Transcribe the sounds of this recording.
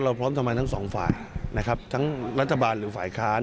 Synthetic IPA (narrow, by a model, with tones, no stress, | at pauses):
ɾa˧wpʰɾɔː˦˥mt̪ʰa˧mːa˧jt̪ʰa˥ŋsɔː˩˦ŋfa̰ː˨˩jna˦˥kʰa˦˥p̚t̪ʰa˦˥ŋɾa˦˥t̪ʰːa˧baː˧nɾɯː˩˦faː˨˩jkʰaː˦˥